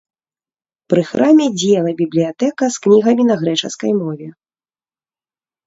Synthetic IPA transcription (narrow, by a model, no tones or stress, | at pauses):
pɾɨxɾʔamʲɛd͡zʲɛɛlˠɐbʲiblʲijat̪ɛkɐsknʲiɣɐmʲinɐɣɾɛt͡ʂɐ̰skɐjmɔvʲɛ